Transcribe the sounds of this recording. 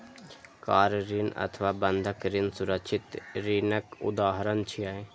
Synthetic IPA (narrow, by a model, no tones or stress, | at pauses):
kaːɾɾɪnɐ̰t̪ʰʋaːbənd̪ʱəkɾɪnsʊɾəkʃʰɪt̪ɾɪnəkʊ̰d̪aːɦəɾənt͡ʃʰiaːe